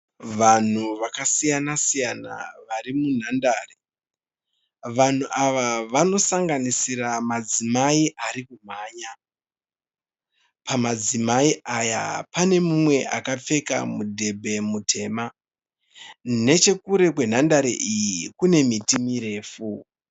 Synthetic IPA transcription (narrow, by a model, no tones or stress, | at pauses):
ʋan̤uʋakasijanasijana̰ʋaɾimun̤andaːre | ʋan̤uʔaʋaʋano̞saŋɡanisiramad͡zimaiʔaɾikum̤aːɲa | pamad͡zimaiʔaja̰pane̞mumwe̞ʔakap͡fe̞ka̰mudʱe̞bʱe̞mutʰe̞ːma | ne̞t͡ʃe̞kuɾe̞kwe̞n̤andaɾḛʔijikune̞mitimiɾe̞ːfu